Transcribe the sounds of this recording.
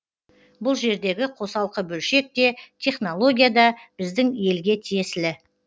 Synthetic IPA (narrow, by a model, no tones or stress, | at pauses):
bʊlˠʒe̞ɾd̪e̞ɡʲɪqʰo̞sɑlˠqəbɵlʃe̞k̚t̪e̞t̪ʲʰe̞χno̞lˠo̞ɡʲijad̪ɑb̥ɪzd̪ɪŋje̞lɡʲe̞t̪ʰije̞sɪlɪ